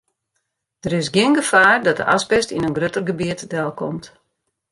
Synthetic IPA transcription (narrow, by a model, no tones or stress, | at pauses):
d̥əɾɪsɡjɪənɡəfaːrdɔt̚də̰ʔaspɛstinənɡrøtərɡəbiətdɛlˠkʰɔmt